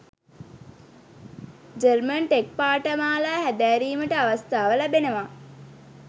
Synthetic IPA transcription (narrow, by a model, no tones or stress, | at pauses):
d͡ʒərmənʈek̚paːʈəmaːlaɦæd̪æːɾiːməʈəaʋast̪aːʋəlæbenəʋa